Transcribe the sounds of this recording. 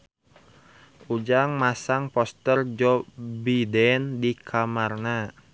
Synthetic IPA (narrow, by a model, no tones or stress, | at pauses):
ud͡ʒaŋmasaŋpɔst̪ərd͡ʒɔbidɛndikʰamarna